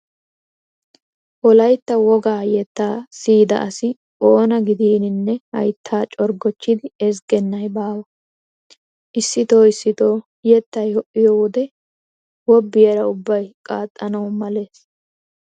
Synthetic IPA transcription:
ʔɔlɐjt̪ːɐwɔɡaːjɛt̪ːaːsiːd̪ɐ̰ʔɐsɪ | ʔoːnɐɡɪd̪iːnɪnːɛhɐ̰jt̪ʰːaːt͡ʃʼɔɾɡɔt͡ʃːɪd̪ɪɛs̬ɡɛnːɐjbaːwɐ | ʔɪsːɪt̪o̞ːɪsːɪt̪o̞ː | jɛt̪ːɐjhɔʔɪjɔwɔd̪ɛ | wɔbːɪjɐɾɐʊbːɐjkʼaːt̪ʼːɐnɐwmɐle̞ːs

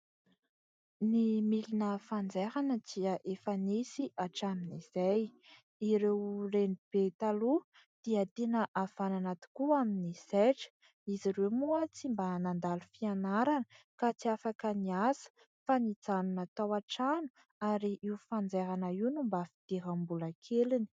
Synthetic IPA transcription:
nimilinəfand͡zeɾanəd͡ziəʔefanisiʔaʈ͡ʂaminiz̥aj | iɾewrenib̥et̪alu | d̪̥iat̪enəʔav̥ananat̪i̥kuaminiseʈ͡ʂə̥ | iziɾemuət͡simbanand̪alufianaɾanə | kat͡siafakəniasə̥ | fanit͡sanunat̪awaʈ͡ʂanu̥ | aɾiʔiufand͡zeɾanaiwnumbafi̥d̪̥eɾambuləkʰelini̥

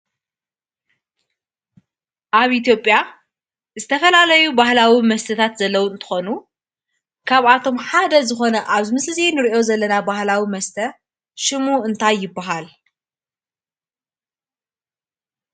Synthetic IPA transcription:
ʔaβʔit̪ʰjo̞pʼːja | zɨt̪ʰɐfɐlalɐjubahlawimɐst̪ʰɐt̪ʰat̪zɐlːɐwuɨnt̪ʰɨ̥xonu | kʰaβat̪ʰo̞mħad̪ɐzɨxo̞nɐʔaβzɨmɨslɨzenɨɾiʔo̞zɐlːɐnabahlawimɐst̪ʰɐ | ʃɨmuɨnt̪ʰajːɪbːaɦal

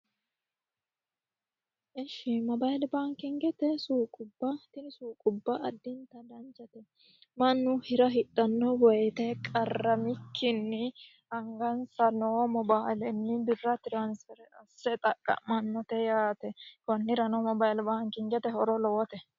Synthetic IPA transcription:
ʔɛʃɪmɔbajɪlbaːŋkɪŋɡɛt̪ɛsuːkʼʊbːɐt̪ɪnɪsuːkʼʊbːɐɐd̪ːɪnt̪ɐd̪ɐnt͡ʃɐt̪ɛ | mɐnːʊhɪɾɐɦɪt̪ʼːɐnːɔwɔjt̪ɛkʼɐrːɐmɪkʰːɪnːɪ | ɐŋɡɐnsɐnomɔbaːɪlɛnːɪbɪrːɐt̪ɪɾɐnsɛɾɛɐsːɛt̪ʼɐkʼːɐ̰mɐnːɔt̪ɛjaːt̪ɛkɔnːɪɾɐnɔmɔbajɪlbaːŋkɪŋɡɛt̪ɛhɔɾɔlɔwɔt̪ɛ

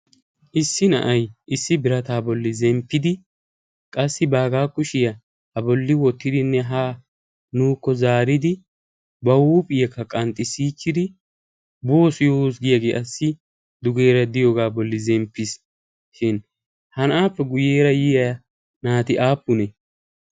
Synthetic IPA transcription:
ʔɪsːɪnɐ̰ʔɐjʔɪsːɪbɪɾɐt̪aːbɔlːɪzɛmpːɪd̪ɪ | kʼɐsːɪbaːɡaːkːʊʃɪjɐ | ɐbɔlːɪwɔt̪ːɪd̪ɪnːɛɦaː | nuːkːɔzaːɾɪd̪ɪ | bɐwuːpʼɪjɛkːɐkʼɐnt̪ʼːɪsiːt͡ʃːɪd̪ɪ | bo̞ːsjosɡɪjɐɡeːʔɐsːɪ | d̪ʊɡe̞ːɾɐd̪ɪjoːɡaːbɔlːɪzɛmpːɪs | ʃɪn | hɐnʔaːpːɛɡʊjeːɾɐjɪj | naːt̪ɪʔaːpːʊnɛ

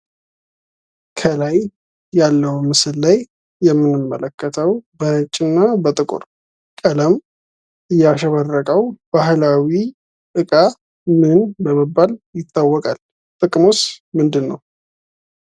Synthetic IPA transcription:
kʰəlaj | jalːəwumɨsɨlːajː | ɛmːɨnɨmːələkʰːət̪ʰəwbəhɨt͡ʃʼːɪnːabət̪ʼɨkʼʊ̰ɾ | kʼələm | ʔɨjːaʃɛβərːəkʼəwb̥aɦlawi | t̪ʼɨkʼa | mɨnbəməbːaljɪt̪ʰːawːɔkʼal | t̪ʼɨkʼmosmɨnd̪ɨnːəw

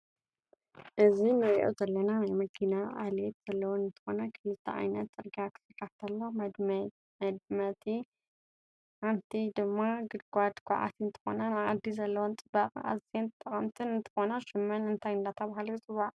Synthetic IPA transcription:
ʔɨzinɨɾʔo̰zɐlːɐnanajmɐkʰinaʔa̰let̪z̥ɐlːɐwonɨnt̪ʰɨ̥xo̞nɐkʰɨlɨt̪ʰːɐʕa̰jnɐt̪zʼɨɾɡakʰɨ̥sɨkːaft̪ʰɐlːod̪ | mɐd̪̚mɐt̪ʰi | ʔant̪ʰid̪ɨmːaɡɨd̪ɡʷad̪ɡʰʷʼa̰ʕa̰t̪ʰiɨnt̪ʰɨ̥xo̞̰nɐnaʔad̪ːizɐlːɐwont͡sʼɨbaqʼa̰zent̪ʰʼːɐχʼɐmt̪ʰɨnɨnt̪ʰɨ̥xonɐʃɨmːɐnɨnt̪ʰajɨnd̪at̪ʰɐβahalut͡sʼɨβaʔ

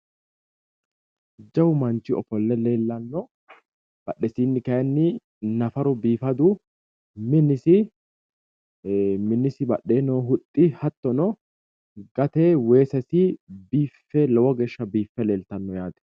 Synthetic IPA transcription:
d͡ʒːɐwʊmɐnt͡ʃːɪɔfɔlːɛleːlːɐnːɔ | b̥ɐɗɛsiːnːɪkɐjɐnːɪ | nɐfɐɾʊbiːfɐd̪ʊ | mɪnːɪsɪ | mɪnːɪsɪbɐɗeːnoːɦʊt̪ʼːɪhɐt̪ːɔnɔ | ɡɐt̪ewe̞ːsɛsɪbiːfːɛlɔwɔɡɛʃːɐbiːfːɛleːlt̪ɐnːɔjaːd̪ɛ̥

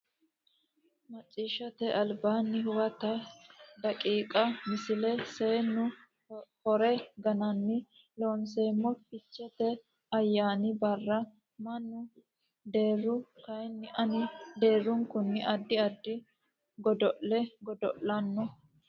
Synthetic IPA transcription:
mɐt͡sʼːiːʃɐt̪ɛʔɐlbaːnːɪhʊwɐt̪ɐd̪ɐkʼiːkʼɐmɪsɪlɛseːnːʊ | hɔɾɛɡɐnɐnːɪ | loːnse̞ːmːɔpɪt͡ʃːɛt̪ɛ | ɐjːaːnɪbɐrːɐ | mɐnːʊ | d̪e̞ːrːʊkɐjnːɪʔɐnɪd̪e̞ːrːʊŋkʊnːɪʔɐd̪ːɪɐd̪ːɪ | ɡɔd̪ɔʔlɛɡɔd̪ɔ̰ʔːɐnːɔ

